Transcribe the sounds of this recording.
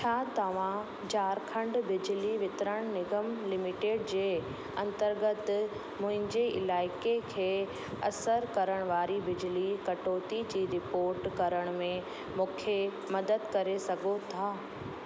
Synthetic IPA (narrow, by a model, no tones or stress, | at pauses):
t͡ɕʰaːt̪ɐʋ̤ã | d͡ʑaːɾkʰə̃ɳɖbɪd͡ʑliʋɪt̪ɾəɽ̃nɪɡəmlɪmɪʈeːɖd͡ʑeː | ɐ̃nt̪əɾɡət̪ | mʊ̃ɦɪ̃ɲd͡ʑeɪ̰laːɪkekʰeː | ɐsəɾkɐɾəɽ̃ʋaːɾibɪd͡ʑlikɐʈoːt̪id͡ʑiːɾɪpoːɾʈkɐɾəɽ̃mẽ | mũːkʰe | mɐd̪əd̪kɐɾesɐɡʱot̪ʰaː